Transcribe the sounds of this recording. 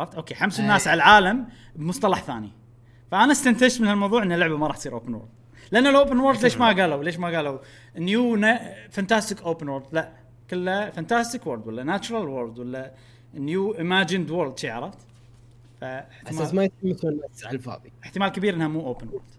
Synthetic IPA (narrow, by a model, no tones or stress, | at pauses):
ɾˤɑft̪ʔoːkeːħamsɪnːaːsʕaalʕaːlam | bmʊsˤt̪ɑlɑħθaːnḭ | faʔanast̪ant̪ad͡ʒt̪mɪnhalmɑwðˤuːʕʔɪnːalːʊʕbamaɾˤɑːħt̪sˤiːɾʔo̰ːpənwo̰ɾd̪̚ | lɪʔanːalʔoːpənwoɾld̪leːʃmaɡaːlawleːʃmaɡaːla | ʔnjunafant̪aːst̪ɪkʔoːpənwoɾd̪laʔ | kɪlːafant̪aːst̪ɪkwʊɾd̪walːanat͡ʃʊɾˤɑlwoɾd̪walːa | njuːʔɪmaːd͡ʒɪnd̪woɾd̪ʃiːʕɑ̰ɾˤɑft̪ | faɪħt̪mamajɪtimɪθɪnːaʕfɑ̰ːðˤiʔɪħt̪ɪmaːlkabiːɾʔɪnamuːʔoːpənwo̰ɾd̪̥